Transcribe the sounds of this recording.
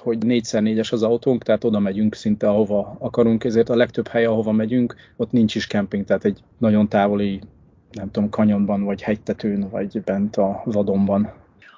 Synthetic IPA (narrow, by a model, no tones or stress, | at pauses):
ho̞ɟneːcsaːrneːɟɛʃɒzɒwt̪oŋkt̪ɛɦaːt̪o̞d̪ɒmɛɟyŋksint̪ɛɒɦo̞vɒɒkɒɾuŋkɛzeːrt̪ɒlɛkt̪øbhɛjɛɒɦo̞vɒmɛɟyŋko̞t̪nint͡ʃiʃkɛmpiŋɡt̪ɛɦaːt̪ɛɟ | nɒɟo̞nt̪aːvo̞li | nɛmt̪uomkɒɲo̞mbɒnvɒɟhɛct̪ːɛt̪øːnvɒ̰ɟbɛnt̪ɒvɒd̪o̞mbɒn